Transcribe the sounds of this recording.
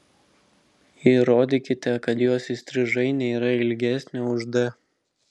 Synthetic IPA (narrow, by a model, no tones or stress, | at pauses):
jiɾoːd̪ʲɪkʲɪt̪ʲɛkɐt̪joɔsɪsʲt̪ʲɾʲɪʒɐɪnʲɛiːɾɐɪlʲɡʲæsʲnʲɛʊʒd̪ɐ